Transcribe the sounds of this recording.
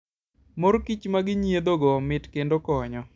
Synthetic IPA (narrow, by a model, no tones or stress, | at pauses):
moɾkit͡ʃmaɡɪɲjed̪oɡɔmɪtkendokɔɲɔ